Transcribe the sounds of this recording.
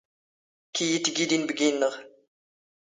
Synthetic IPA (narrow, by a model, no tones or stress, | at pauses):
kijit̪ːɡid̪inbəɡinːəʁ